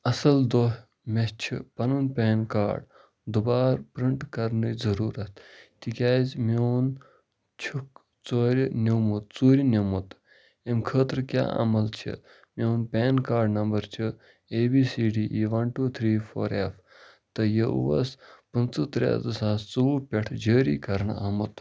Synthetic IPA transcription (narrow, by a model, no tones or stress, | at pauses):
ɐsɐld̪oːɦ | mest͡ʃʰḭpɐnunpʲeːnka̰ːɖ | d̪ubaːɾpɾiɳʈkɐɾnɨzɐɾuːɾɐt̪ʰt̪ikʲaːzʲmoːn | t͡ʃʰuk | t͡soːɾʲnʲewmut̪̚t͡suːɾʲinemut̪ | emkʰəːt̪ɾəkʲja̰ːɐ̰mɐlt͡ʃʰɐ̰ | mʲewnpʲɛːnkaːɾɖnɐmbɐɾt͡ʃʰə | eːbiːsiːɖiːʔiʋɐnʈut̪ʰɾiːfʰoːɾef | t̪ɐjɐṵʋɐ̰spɐnt͡sɨt̪ɾa̰ːd̪ɐsaːst͡suːpʲeʈʰd͡ʒəːɾḭːkɐɾɳɐmɐt̪